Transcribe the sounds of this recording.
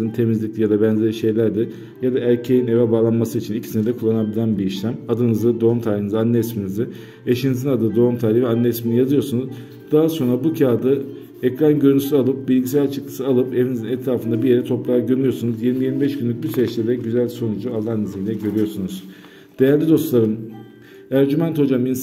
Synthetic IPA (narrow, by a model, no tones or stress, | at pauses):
int̪ʰe̞mizlʲic̚lʲijad̪abænzʲeiʃe̞jlʲæɾd̪ɪ | jad̪aʔæɾʲcʰe̞jine̞vɛbaːlˠanmasɯit͡ʃʰinicʰi̥sinɛd̪ɛkʰulˠːanabilʲænbiiʃlʲæmad̪ɯnɯzɯd̪o̞umt̪ʰajlʲinɯzɯanːɛsminizɪ | eʃinizinad̪ɯːd̪o̞umt̪ʰajlɾʲivɛanːɛːsminijazɯjo̞ɾsunuz | d̪̥aɦaso̞nɾabucʰaːd̪ɯ | ɛcɾanɟøɾynyslalˠɯp̚bilʲɟisælʲt͡ʃʰɯklˠɯ̥sɯalˠɯpe̞vinizinɛt̪ʰɾaːfɯnd̪abije̞ɾɛt̪ʰo̞pɾˠaːɟømyjoɾsunuzjiɾmijiɾmibɛʃɡynlʲyc̚byseɛt͡ʃlʲɛd̪ɛɟyzælʲso̞nud͡ʒualˠːaːnizilʲɛɟø̞ɾyjo̞ɾsunuz̥ | d̪̥e̞jæɾlʲid̪o̞st̪lˠaɾɯn | æɾd͡ʒymænt̪ho̞d͡ʒamin